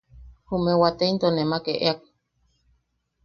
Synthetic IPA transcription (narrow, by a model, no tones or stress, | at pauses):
humẽwat̪eint̪onẽmakeʔeak̚